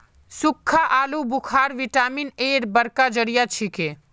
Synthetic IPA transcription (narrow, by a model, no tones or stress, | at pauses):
sʊkʰːaʔaːlubukʰaːɾʋiʈaːmineːɾbəɾkad͡ʒəɽijat͡ʃʰike